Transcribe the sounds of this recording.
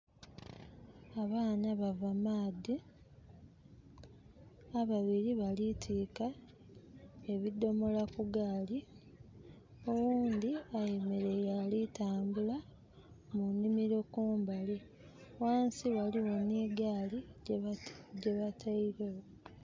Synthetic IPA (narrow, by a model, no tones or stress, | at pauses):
aβaːnaβavamaːdi | aβaβiɾiβalitʰiːka | e̞βido̞mo̞lakuɡaːli | o̞wuːnd̪iaje̞meɾe̞jaːlitaːmbula | munːimiɾo̞kuːmbali | waːnsiβaliwo̞niːɡaːli | ɟeβatʰaiɾewo